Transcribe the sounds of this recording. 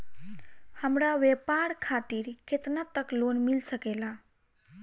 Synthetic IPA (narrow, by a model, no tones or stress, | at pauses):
həmɽaʋepaɽkʰat̪iːɾket̪nat̪əklonmilsəkela